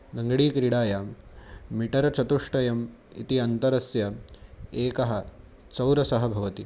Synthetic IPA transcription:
nɐŋɡɐɽiːkɾiɽaːjaː | miʈɐɾɐt͡ʃʰɐt̪uʂʈɐjɐm | ḭt̪iɐnt̪ɐɾɐsjɐ | eːkɐɦɐ | t͡ʃɐwɾɐsɐɦɐbʱɐʋɐt̪i

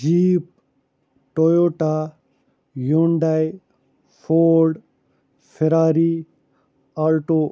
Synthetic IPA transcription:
d͡ʑiːp̚ | ʈojoːʈa | joɳɖaj | fʰoːɖ | fʰeɾaːɾi | alʈo

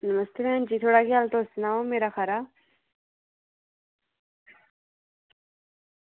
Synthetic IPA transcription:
nəməst̪eɾend͡ʑit̪ʰoɽakialt̪osnaomeɾaxaɾa

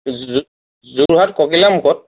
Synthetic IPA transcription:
zuɹɦatkɔkilamukʰɔt̚

